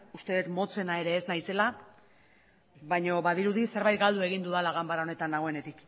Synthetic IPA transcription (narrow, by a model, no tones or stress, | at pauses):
ust̪e̞ðet̪mo̞t͡se̞nae̞ɾe̞ːznajse̞la | βajɲo̞βaðiɾuðise̞ɾβajt̪̚ɡald̪ue̞ɣ̞ind̪uðalaɣambaɾao̞ne̞t̪anlːaɣo̞e̞ne̞t̪ik